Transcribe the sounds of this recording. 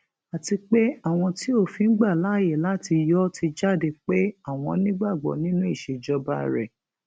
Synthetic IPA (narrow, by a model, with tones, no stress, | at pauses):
a˨ti˧k͡pe˦a˦˨w̃ɔ̃˧ti˦o˦˨fĩ˨˦ɡ͡ba˦˨la˨˦˨je˦˨la˦ti˧jɔ˦ti˧d͡ʒa˦˨de˧k͡pe˦a˦˨w̃ɔ̃˧nĩ˦ɡ͡ba˦˨ɡ͡bɔ̰˨nĩ˦nũ˦i˦˨ʃe˨d͡ʒɔ˧ba˦ɾɛ̰˨